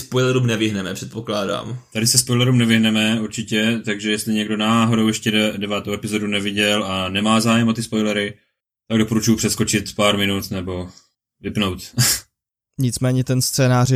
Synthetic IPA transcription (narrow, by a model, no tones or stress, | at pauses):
spojlɛɾumnɛvɪɦnɛmɛpr̥ɛt̪poklaːda̰ːmt̪adɪsɛspojlɛɾumnɛvɪɦnɛmɛuɾt͡ʃɪcɛt̪aɡʒɛjɛst̪lɪɲɛɡdo̞naːɦo̞dowjɛʃcɛdɛdɛvaːt̪owɛpɪzo̞dunɛvɪɟɛlanɛmaːzaːjɛmot̪ɪspo̞jlɛɾɪ | t̪aɡdo̞poɾut͡ʃujupr̥ɛsko̞t͡ʃɪt̪paːɾmɪnut̪nɛbo̞ | vɪpnowt̪ | ɲɪt͡smɛːɲɛt̪ɛnst͡sɛːnaːr